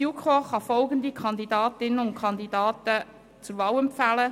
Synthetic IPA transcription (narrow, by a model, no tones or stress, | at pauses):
jukʰoχɑfɔlɡəndikʰɑnd̪idɑːtɪnːəʊnkʰχɑnd̪idɑːtə | t͡sʊɾʋɑːwɛmpfælə